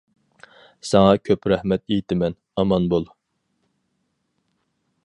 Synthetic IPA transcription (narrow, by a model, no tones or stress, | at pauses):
sɛŋɑkʲʰøpɾɛhmɛt̪ejt̪ʰɪmɛn | ɑmɑnbolˠ